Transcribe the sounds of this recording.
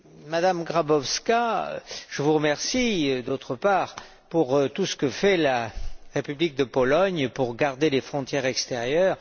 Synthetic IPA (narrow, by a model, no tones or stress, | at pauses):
mad̪amɡʁabɔfska̰ʒ̥əvuʁəmɛʁsiød̪ot̪χəpaːʁ | puʁt̪usə̥kəfɛlaʁepyblik̚d̪əpɔlɔɲpuʁɡaʁd̪elefχɔ̃t̪jɛʁɛkst̪eʁjœːʁ